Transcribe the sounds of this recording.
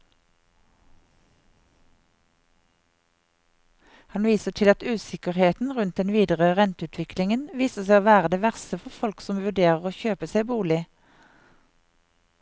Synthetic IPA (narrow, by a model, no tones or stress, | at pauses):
hɑnʋiːsəʈʰɪlɑt̪ʉːsɪkəʁheːt̪n̩ʁʉnt̪̚d̪ɛnʋiːd̪əʁəʁɛnt̪ʉːt̪ʰʋɪklɪŋənʋiːsəsæɪoːʋæːʁəd̪eːʋæʁsəfɔʁfɔlksɔmʋʉɖeːʁəʁoːçøːpəseɪbuːlɪ